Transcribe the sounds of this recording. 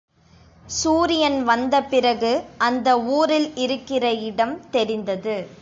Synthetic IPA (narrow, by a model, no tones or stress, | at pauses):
suːɾɪjɐnʋɐnd̪ɐpɪrɐɣɯɐnd̪ɐuːɾɪlɪɾɯkːɪrɐɪɽɐmt̪ɛɾɪnd̪ɐðɯ